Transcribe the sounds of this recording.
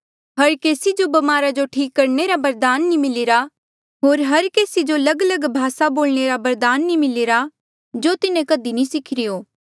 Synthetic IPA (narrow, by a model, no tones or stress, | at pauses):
ɦɐɾkeːsid͡ʒobɐmaːɾad͡ʒoʈʰiːkːɐɾneɾabɐɾd̪aːnːimɪliɾa | ɦoːɾɦɐɾkeːsid͡ʒolɐɡələɡbʱaːsaboːlɳeɾabɐɾd̪aːnːĩmɪliɾa | d͡ʒot̪ɪnẽkɐd̪inĩsɪkʰɪɾɪjoː